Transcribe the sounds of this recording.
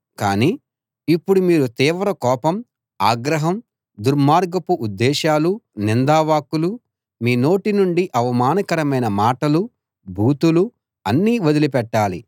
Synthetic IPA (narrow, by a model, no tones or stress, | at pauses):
kaːniː | pːuɽumiːɾut̪iːʋɐɾɐkɔːpɐm | aːɡɾɐɦɐm | d̪uɾmaːɾɡɐpuʔud̪ːɛːʃaːlunind̪aːʋaːkulu | miːno̞ːʈinuɳɖiʔɐʋɐmaːnɐkɐɾɐmɐjnɐmaːʈɐlu | bʱuːt̪ulu | ɐnːiːʋɐd̪ilip̬ɛʈːaːlḭ